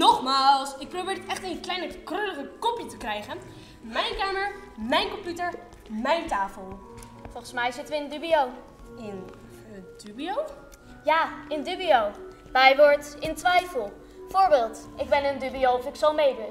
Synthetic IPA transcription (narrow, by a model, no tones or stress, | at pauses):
nɔχmaːlˠsɪk̚prowbɪːɹtɛχtenklɛjnəkrøləχəkɔpjətəkrɛjχən | mɛjnkaːməɹmɛjnkɔmpjutəɹ | mɛjntaːfəlˠ | fɔlˠχənsmɛjzɪtʋəɪndybiow | ɪn | d̥ybiow | jaːɪndybiow | mɛjʋɔɹtɪntʋɛjfəlˠ | fʊːɹbɪːlˠtɪɡ̚bɛnəndybiowɔfɪksɑlˠmejdə